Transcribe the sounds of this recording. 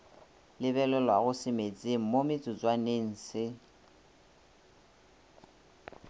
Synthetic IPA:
lɪβɛlɛlwaɣʊsɪmet͡semomɪt͡sʼʊd͡zwanen̩ːsɪ

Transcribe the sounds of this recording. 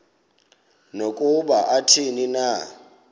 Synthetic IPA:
nokʼuɓaʔatʰinina

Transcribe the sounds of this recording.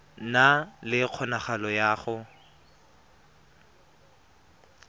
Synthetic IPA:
nalɪq͡χʰɔnaχalɔjaːχʊ

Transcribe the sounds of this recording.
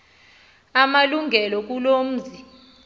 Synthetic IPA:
amaluŋɡʱɛlɔk̬ulom̩ːzi

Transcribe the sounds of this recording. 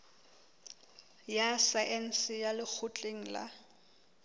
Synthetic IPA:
jasaʔɛn̩sɪjalɪk͡xʰʊt͡ɬʼeŋ̩la̰

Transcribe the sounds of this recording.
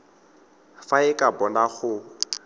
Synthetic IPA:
faɪkʼabɔnaɣʊ

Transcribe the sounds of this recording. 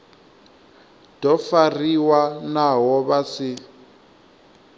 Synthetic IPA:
d̥ɔfariwanaɦɔβasi

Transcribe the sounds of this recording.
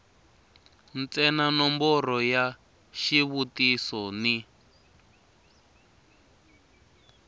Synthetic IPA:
nt͡sɛnanɔmbɔrɔja | ʃiβutisɔni

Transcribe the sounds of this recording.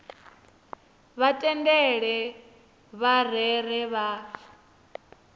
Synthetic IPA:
βatʼɛndɛɺɛ | βar̤ɛr̤ɛβaːfa

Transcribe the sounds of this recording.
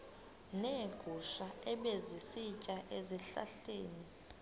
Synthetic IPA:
neːɡ̥ʱuʃaɛɓezisit͡ʃʼaʔeziɬa̰ɬeːni

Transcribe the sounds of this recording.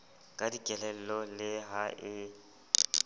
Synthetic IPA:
kʼadikʼɛlɛl̩lɔlɪɦaʔɪ

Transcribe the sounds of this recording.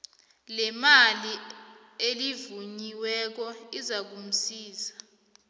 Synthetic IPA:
lɛmali | elivuɲiwɛk̬ɔizak̬um̩siːza

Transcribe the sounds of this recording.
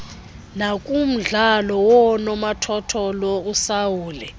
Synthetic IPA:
nakʼum̩ɮalɔwɔnɔmatʰɔtʰɔlousawuːlɛ

